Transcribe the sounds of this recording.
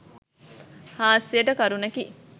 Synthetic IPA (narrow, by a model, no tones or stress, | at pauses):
haːsijɐʈɐkɐɾunɐki